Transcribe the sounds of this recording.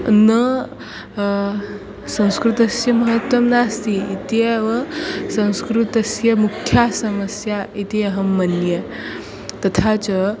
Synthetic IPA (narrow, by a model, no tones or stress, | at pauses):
nə | sɐ̃w̃skɾut̪ɐsjɐməɦət̪wɐmnaːst̪iːt̪ieʋɐsɐ̃w̃skɾut̪ɐsjɐmukʰːjasɐməsjait̪iɐɦɐmːɐnjə | t̪ɐt̪ʰat͡sə